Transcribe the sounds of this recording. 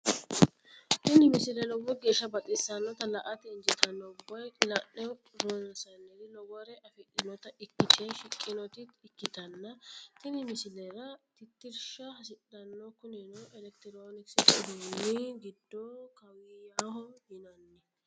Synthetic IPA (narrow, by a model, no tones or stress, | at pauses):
t̪ɪnɪmɪsɪlɛlɔɡɔɡe̞ːʃːɐbɐt̪ʼɪsːɐnːɔt̪ɐlɐʔɐt̪ɛːnd͡ʒɪt̪ɐnːɔʊbːɐjlɐnːɛ | ɾonɐsɐnːɛdɪlɔɡɔɾɛʔɐfɪᶑɪnɔt̪ɐʔɪkːɪt̪ɪɐʃɪkʼːɪnɔt̪ɪɪkːɪt̪ɐnːɐt̪ɪnɪmɪsɪlɛɾɐt̪ɪt̪ːɪɾʃɐhɐsɪɗɐnːɔkʊnɛnoʔɛlɛk̚t̪ɪɾoːnɪksɪt̪ːd̪unːɪɡɪd̪ːɔkɐwɪjahɔjɪnɐnːɛ